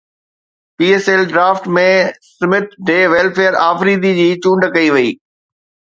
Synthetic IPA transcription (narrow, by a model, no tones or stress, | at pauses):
piːeːselɖɾaːfʈmẽsɪmɪʈ̚ɖeːʋɛːlfeːəɾaːfɾiːd̪id͡ʑiːt͡ɕũːɳɖkɐiʋɐḭː